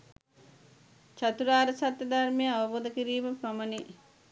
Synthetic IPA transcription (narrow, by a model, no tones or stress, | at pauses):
t͡ʃat̪uɾaːɾɐsat̪ːɐd̪armejəaʋɐboːd̪ɐkiɾiːmɐpɾɐməni